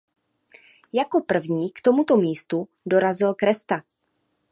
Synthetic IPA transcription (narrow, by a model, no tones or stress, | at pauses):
jako̞pr̩vɲiːkt̪o̞mut̪o̞miːst̪u | do̞ɾazɪlkɾɛst̪a